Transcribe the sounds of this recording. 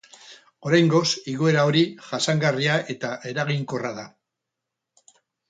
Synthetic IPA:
o̞ɾajŋɡo̞siɣoe̞ɾao̞ɾiʝasaŋɡariaʔe̞t̪aʔe̞ɾaɣiŋko̞raða

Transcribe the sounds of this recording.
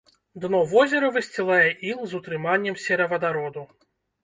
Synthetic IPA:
d̪nɔvɔzʲɛɾɐvɨsʲt͡sʲilˠajɛʔimzut̪ɾɨmanʲːɛmsʲɛɾɐvɐd̪aɾɔd̪u

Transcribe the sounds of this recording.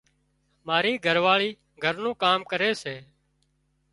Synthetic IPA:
maːɾiːɡʱəɾʋaːɭiː | ɡʱəɾnũːkaːmkəɾeːseː

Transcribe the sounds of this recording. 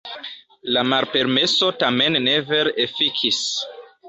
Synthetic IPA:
lamalpe̞ɾme̞so̞tame̞nːe̞veɾefikʰis

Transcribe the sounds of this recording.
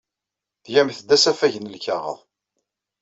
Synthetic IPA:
ðjæmθəd̪ːæsæfæʝənəlçɑʁə̰ðˤ

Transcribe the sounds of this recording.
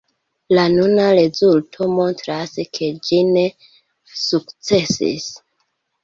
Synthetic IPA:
lanunaɾe̞zultʰo̞mo̞ntɾaskʰe̞d͡ʒine̞ | sukt͡se̞sḭs

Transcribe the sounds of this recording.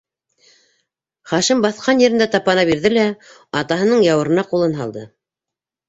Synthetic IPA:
χɑʃɘmbɑθqɑnjɘ̆ɾɘ̆nd̪æt̪ɑpɑnɑbiɾðɘlæ | ɑt̪ɑɦɤ̆nɤɴjɑwɤ̆ɾɤ̆nɑqulˠɤnɦɑ̰lˠd̪ɤ

